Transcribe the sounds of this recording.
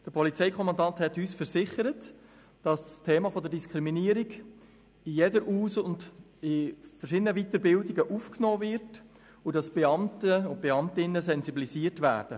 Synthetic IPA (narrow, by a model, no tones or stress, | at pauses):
d̥əpʰɔlit͡sɛɪkʰɔmɑndɑnthɛtyːsfəɾsɪχəɾət | d̥ɑsstʰeːmɑfod̪əɾdiskʰɾiminiəɾiɡ | ɪjedəɾʔuːsʊnd | ɪfərʃɪdənəvit̪əɾbɪldiɡəʔufknoːvɪɾt | ʊdɑsb̥ɛɑmtəb̥eɑmtɪnəsɛnzibilisiːəɾtvæ̰ːɾd̥ə